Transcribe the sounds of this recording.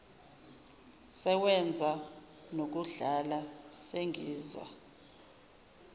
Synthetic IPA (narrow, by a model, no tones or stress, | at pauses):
sɛwɛnd͡zʱa | nok̬uɮalaseŋiːzwa̰